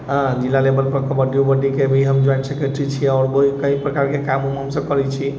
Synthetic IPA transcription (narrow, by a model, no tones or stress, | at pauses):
ɦə̃d͡ʒilːalebəlpəkəbəɖiubəɖikebʱiɦəmd͡ʒajnsəkeʈɾit͡ʃʰiɔʊɾboɦikə̃ĩpɾəkaɾkekamumɦəmsəb̚kəɾɛt͡ʃʰi